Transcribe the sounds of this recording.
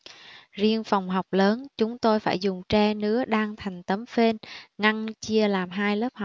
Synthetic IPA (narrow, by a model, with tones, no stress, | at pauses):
zi˧ənfa˨˩wŋ͡mɦa˨˩wk͡p̚ləː˨˦nt͡ɕʊ˨˦ŋ͡mt̪o˧jfaː˧˩jzʊ˨˩ŋ͡mt͡ɕɛ˧nɨ̰˧˥əɗaː˧ŋt̪ʰa˨˩jŋ̟t̪ə˨˦mfe˧nŋa˧ŋt͡ɕi˧əlaː˨˩mɦaː˧jləː˦˥p̚ha˨˩w̚